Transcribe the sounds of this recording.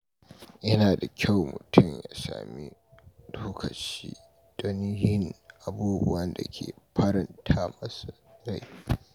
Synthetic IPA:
jɐ˦naː˨da˨kʲʰa˦˨wmʊ̰˨tʰʊ˦˨mja̰ː˨˦sa̰ː˨mi˦ | doː˦kʰɐ˨t͡ʃḭː˦ | d̥ɔ˦ni˦hɪ˦ŋʔa˨buː˦bʊ˦wɐ˦nda̰˨kʲʰḛː˨ɸɐ˦ɾɐ˨ntʰaː˦mɐ˦su˨ɾa˦˨j

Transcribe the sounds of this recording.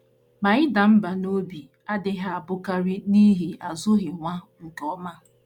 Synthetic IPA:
ma˨ɪ˦da˨m̩˦ba˨no˦bi˨ | a˦dɪ˦ɦa˦a˨bʊ˦ka˦ɾi˦ni˦ɦi˨ʔa˨zʊ˦ɦɪ˨ŋʷa˦ŋ̩˨kɔ˦ma˦˨

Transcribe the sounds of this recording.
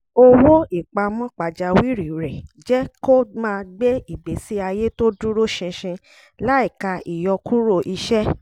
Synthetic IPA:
o˦wo˦i˨k͡pa˧mɔ̃˦k͡pa˨d͡ʒa˧wi˦ɾi˨ɾɛ˨d͡ʒɛ˦ko˦mãː˦˧ɡ͡be˦i˨be˨si˨˦a˧je˦to˦du˦ɾo˦ʃɛ̃˧ʃɛ̃˧ | la˦i˦˨ka˧i˨jɔ˧ku˦ɾo˦˨ʔi˧ʃɛ˦

